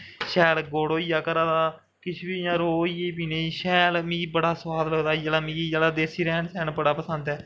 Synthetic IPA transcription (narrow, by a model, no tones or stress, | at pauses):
ʃɛːlɡoːɽoːiːjaːkəɾãːd̪aː | kɪt͡ʃʰbiːjãːɾoːiːeːp̬iːneːiʃɛːlmĩːibəɽaːsʋaːd̪ləɡd̪aːid͡ʒəlaːmĩːɡiːd͡ʒaːlaːd̪eːɾsiːɾɛːnsɛ̃ːnbəɽaːpəsənd̪ɛː